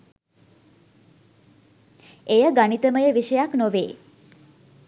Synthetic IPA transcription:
ejəɡaɳit̪əməjəʋiʃəjaknoʋeː

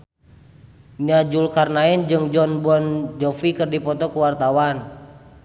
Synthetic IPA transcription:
ɲad͡ʒulkarnaɛnd͡ʒɨŋd͡ʒɔnbɔnd͡ʒɔfikɨrdipɔt̪ɔkuwart̪awan

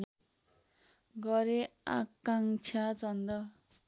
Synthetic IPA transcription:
ɡʌɾea̰kːaŋt͡sʰat͡sʌnd̪ʌ

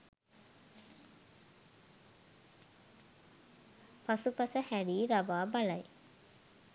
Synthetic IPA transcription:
pɐsupɐsɐhæɽiːɾɐʋaːbɐlɐj

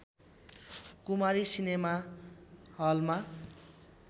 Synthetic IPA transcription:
kumaɾisinema | hʌlma

